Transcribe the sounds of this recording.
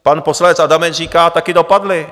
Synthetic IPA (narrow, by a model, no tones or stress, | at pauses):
panposlanɛt͡sʔadamɛriːkaːt̪akɪdopadlɪ